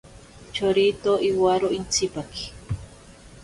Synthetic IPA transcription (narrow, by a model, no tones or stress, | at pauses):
t͡ʃoɾit̪oʔiwaɾoʔint͡sipaki̥